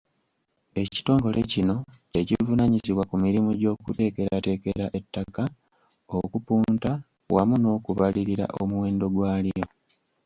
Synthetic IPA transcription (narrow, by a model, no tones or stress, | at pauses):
e̞ci̥to̞ːŋɡo̞lʔe̞cino̞ | ecivunaɲiziβwakumiɾimuɟo̞ːkute̞ːke̞ɾate̞ːke̞ɾaʔe̞tːaka | okupuːnta | wʔamuno̞ːkuβaliɾiɾa̰ʔomuwe̞ːndo̞ɡwaːlijo̞